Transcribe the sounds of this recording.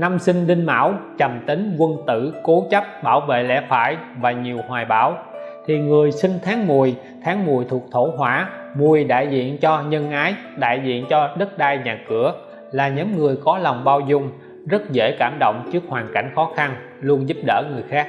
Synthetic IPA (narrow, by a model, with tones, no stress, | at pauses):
na˧msï˧ŋ̟ɗï˧ŋ̟ma̰ː˧˥wt͡ɕə˨˩mt̪i˨˦ŋ̟kwə˧nt̪ɨ̰˧˩ko˨˦t͡ɕə˦˥p̚ɓaː˧˩wvḛ˧˨lɛ̰˧˥faː˧˩jvaː˨˩ɲi˨˩əwhwaː˨˩jɓaː˧˩˦wt̪ʰi˨˩ŋɨ˨˩əjsï˧ŋ̟t̪ʰaː˨˦ŋmu˨˩əj | t̪ʰaː˨˦ŋmu˨˩əjt̪ʰu˨˩ək̚t̪ʰo˧˩ɦwaː˧˥mu˨˩əjɗa̰ː˧˨jzḭ˧˨ənt͡ɕɔ˧ɲə˧nʔaː˨˦jɗa̰ː˧˨jzḭ˧˨ənt͡ɕɔ˧ɗə˦˥t̚ɗaː˧jɲaː˨˩kɨ˧˩ə | laː˨˩ɲə˨˦mŋɨ˨˩əjkɔ˨˦la˨˩wŋ͡mɓaː˧wzʊ˧ŋ͡m | zə˦˥t̚zḛ˧˩kaː˧˩mɗo̰˧˨wŋ͡mt͡ɕɨ˦˥ək̚hwaː˨˩nka̰˧˩jŋ̟xɔ˨˦xa˧n | lu˧ənzu˦˥p̚ɗə̰ː˧˩ŋɨ˨˩əjxaː˦˥k̚